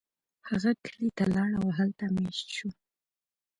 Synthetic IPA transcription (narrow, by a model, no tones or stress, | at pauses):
haɣakʰəlit̪alɑɽawɦalt̪ameʃt̪ʃu